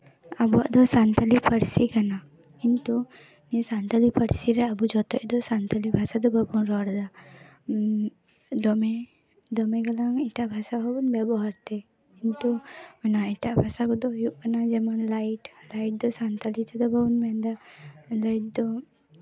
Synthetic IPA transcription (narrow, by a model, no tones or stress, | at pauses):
abua̰d̪ɔsant̪alipəɽsikana | kint̪u | nisant̪alipʰəɽsiɾɛabud͡ʒɔt̪ɔʔd̪ɔsant̪alibʱasad̪ɔbʱabunɾɔɽd̪a | d̪ɔmɛ | d̪ɔmɛɡalaŋiʈaʔbʱasabʱabunbɛbɔɦaɾt̪ɛ | kint̪uɛnaiʈaʔbʱasakɔd̪ɔjuʔkanad͡ʒɛmanlaiʈlajʈ̚d̪ɔsant̪alit̪ɛd̪ɔbʱabunmɛnd̪alajʈ̚d̪ɔ